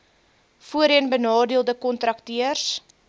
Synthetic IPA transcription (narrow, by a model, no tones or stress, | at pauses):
fuəɾiənbənɑːdiəlˠdəkɔntrɐktiərs